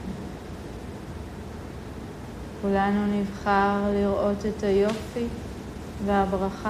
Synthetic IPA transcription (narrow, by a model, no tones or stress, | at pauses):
kulanunivχaʁliʁʔo̞te̞thajo̞fi | veabʁaχa